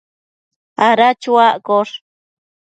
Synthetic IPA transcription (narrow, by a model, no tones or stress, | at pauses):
aɾat͡ʃuaʔkoʂ